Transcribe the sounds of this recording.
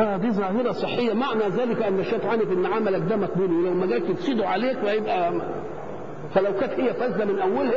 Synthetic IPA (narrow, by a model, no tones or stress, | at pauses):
ʔæːd̪iːzˤɑːhɪɾɑsˤɨħːejːæmaʕnæzæːlɪkʔænːæʃːæːt̪ʕaːnifɪnːʕamælækd̪æːmæk̚buːliwlæwmæɡæːlt̪bsˤiːd̪uʕaleːkwhæjebʔæ | fælæwkæːt̪hejːæfæzːæmɪnʔæwːælhæ